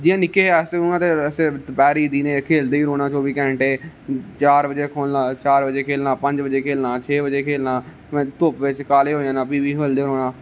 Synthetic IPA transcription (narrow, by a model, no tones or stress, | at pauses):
d͡ʒiːãːnɪkːeːɛsʊnãːt̪eːsepɛːɾiːd̪iːneːkʰeːld̪eːiɾoːnãːt͡ʃoːʋiːkɛ̃ːɳʈeːt͡ʃaːɾbəd͡ʒeːkʰoːlaːt͡ʃaːɾbəd͡ʒeːkʰeːlnãːpə̃ɲd͡ʒbəd͡ʒeːkʰeːlnãːt͡ʃʰeːbəd͡ʒeːkʰeːlnãː | m̃ːt̪ʊpʋɪt͡ʃkaːleːɦoːjãːnãːpiːʋiːɦeːld̪eːɾoːnãː